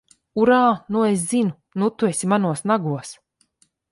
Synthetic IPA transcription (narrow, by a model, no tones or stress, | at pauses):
uɾaːnueszinu | nut̪uesʲimanuɔsnaɡuɔs